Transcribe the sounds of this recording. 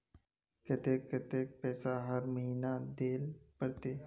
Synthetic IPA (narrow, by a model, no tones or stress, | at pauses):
ket̪eːkːet̪eːk̚pɛːsaɦəɾməɦiːnad̪eːlpəɾt̪eː